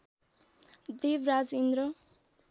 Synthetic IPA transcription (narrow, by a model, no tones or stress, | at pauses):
d̪ebɾad͡zind̪ɾʌ